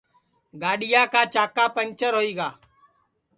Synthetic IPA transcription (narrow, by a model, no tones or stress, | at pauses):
ɡaːɗɪjaːkaːt͡ʃaːkaːpənt͡ʃəɾɦoːiːɡaː